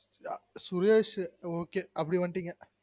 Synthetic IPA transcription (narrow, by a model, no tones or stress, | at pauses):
surjeːʂɨoːkːeɐpːɐɽiʋɐɳʈːiŋːɐ